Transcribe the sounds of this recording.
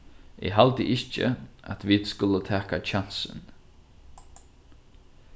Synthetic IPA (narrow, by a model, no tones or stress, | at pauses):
ʔɪ̰ɦalt̪əʔɪht͡ʃə̰a̰t̪viːd̪skʊlət̪ʰɛːkat͡ʃʰan̥sə̰n